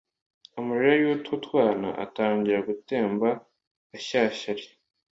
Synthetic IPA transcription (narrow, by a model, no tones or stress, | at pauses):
umuɾiɾajuːtʰutwaːna̰ʔa̰taːɲɟiɾaɡute̞ːmba | aɕaːɕaɾi